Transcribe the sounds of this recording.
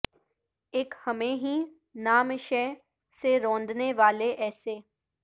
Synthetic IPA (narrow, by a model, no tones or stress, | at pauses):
ekhəmẽːɦiː | naːmʃɛː | seɾɔ̃ːnd̪neːʋaːleʔɛːseː